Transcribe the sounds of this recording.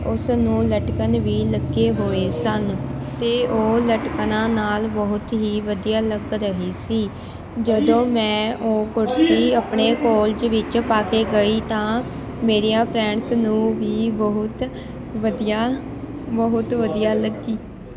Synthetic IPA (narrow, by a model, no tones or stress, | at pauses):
ʊsnũːləʈkənʋiːləɡeːɦoːeːsənt̪eːʔoːləʈknãːnaːlbəɦʊt̪ɦiːʋəd̪ijaːləɡɾəɦiːsiː | d͡ʒəd̪õːmɛ̃ːʔoːkʊɾt̪iːəpɳeːkoːld͡ʒʋɪt͡ʃpaːkeːɡəiːt̪ãː | meːɾijãːpʰɾɛ̃ːɳsnũːʋiːbəɦʊt̪ | ʋəd̪ijaː | bəɦʊt̪ʋəd̪ijaːləɡiː